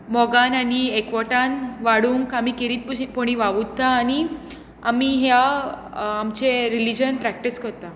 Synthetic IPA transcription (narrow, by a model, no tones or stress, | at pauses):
mɔɡananiekʋɔʈanʋaɽuŋkamikeɾiːt̪̚ppoɽ̃iʋaʋut̪ːaːñi | amiɦjaː | mt͡ɕeɾilid͡ʑənpɾæk̚ʈiskəɾt̪a